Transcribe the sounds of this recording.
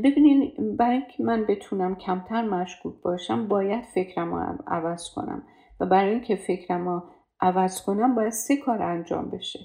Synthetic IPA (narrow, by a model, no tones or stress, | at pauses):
be̞biːnid̪bæɾɒːjiŋkʰemænbe̞t̪ʰunæmcʰæmt̪ʰæɾmæʃkuːk̚bɒːʃæmbɒːjæd̪̥fe̞kʰɾæmɒ̰æ̰væz̥kʰo̞̰næ̰m | væbæɾɒːjiŋcʰefe̞kʰɾæmɔ | ʔævæz̥kʰonæmbɒːjæd̪̥se̞kʰɒːɾænd͡ʒɒ̰ːmbe̞ʃe